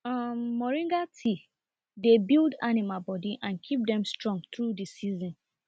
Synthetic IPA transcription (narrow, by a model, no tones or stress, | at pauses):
ʌmːɔɹĩŋɡatʰi | debildanimalbɔdiʔãnkʰip̚dɛ̃mstɹɔ̃ŋɡt̪ɹudisizɔ̃n